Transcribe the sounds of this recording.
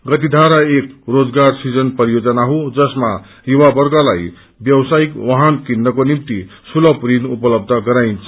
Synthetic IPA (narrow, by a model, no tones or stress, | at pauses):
ɡʌt̪id̪ʱaɾaek̚rod͡zɡarsid͡zʌnpʌɾijod͡zʌnaɦod͡zʌsma | juwabʌrɡʌla̰j | bjʌwsaikwaɦʌnkinːʌkonimt̪isulʌpɾinupʌlʌb̚d̪ʱʌɡʌɾajnt͡sʰʌ